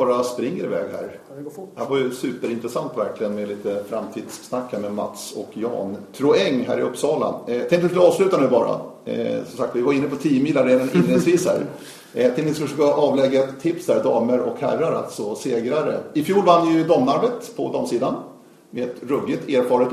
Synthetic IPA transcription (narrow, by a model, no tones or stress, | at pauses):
bɑːɾaspɾɪŋːəɾɪvɛ̰ːɡhæ̰ːɾ | hæɾvajɵsʉ̟ːpəɾɪnt̪ɾɛsant̪væɾklɪɡənmɛd̪liːt̪əfɾamt̪ʰiːd̪sːnakːæːɾmɛma̰t̪sɔ̰kjɑ̰ːnp̪ʰɾʊɛŋːɦæ̰ːɾɪɵpːsɑːla̰nt̪ʰɛŋk̪t̪ːsɑːvslʉ̟ːt̪anʉ̟ːbɑːɾa̰sɔmsak̚t̪vɪvaɾɪnːəpʰɔt̪ʰiːəmiːlːaɾeːd̪anɪnːeːsviːshæ̰ːɾ | t̪ʰɪlɪskɵʂøkaʔɑːvlɛɡːaɛt̪ʰːɪpshæːɾd̪ɑːməɾɔ̰khæ̰ɾːaɾa̰lt̪sɔseːɡɾaɾə̰ɪfjuːlvanːjɵd̪ɔːmnaɾbet̪pʰɔ̰d̪ɑːmsiːd̪an | meɛt̪ɾɵbːɪt̪ʰeːɾfɑːɾət̪